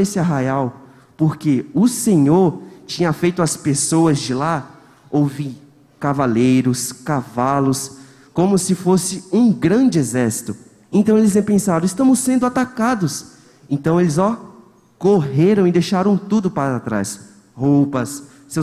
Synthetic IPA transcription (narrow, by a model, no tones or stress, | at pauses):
esɪaɦajaw | poɾkeʊsẽɲoɾt͡ʃĩɲɐfejt̪ʊɐspesoɐzd͡ʒɪla | owvi | kavalejɾʊskavalʊs | kõmʊsɪfosɪũɡɾɐ̃d͡ʒɪezɛɾsi̥t̪ʊ | ẽnt̪ɐ̃w̃elɪst̪ɛ̃pẽsad̪ʊɪst̪ɐ̃mʊsːẽnd̪ʊat̪akad̪ʊs | ẽnt̪ɐ̃w̃elɪzɔ | koɦeɾɐ̃w̃ɪd̪ejʃaɾɐ̃w̃t̪ud̪ʊpaɾat̪ɾa̰s | howpɐsː | ew